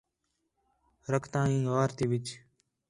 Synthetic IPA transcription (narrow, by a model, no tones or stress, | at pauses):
ɾəkʰt̪ãːĩːɡaːɾt̪iːʋɪt͡ʃ